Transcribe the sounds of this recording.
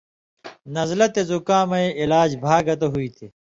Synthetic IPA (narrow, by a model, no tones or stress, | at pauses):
nɐzlɐt̪ezukãːmɐiʔilaːd͡ʑbʱaːɡɐt̪̬ɐɦuit̪ʰi